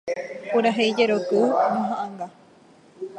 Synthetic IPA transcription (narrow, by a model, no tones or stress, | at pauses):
puɾaɦejd͡ʒeɾok̪ɨnõɦãʔãŋɡa